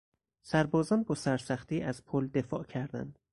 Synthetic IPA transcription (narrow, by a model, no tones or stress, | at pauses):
sæɾbɒːzɒnbɒːsæɾsæχt̪iːʔæz̥pʰold̪e̞fɒːʔcʰæɾd̪æ̰nd̪̥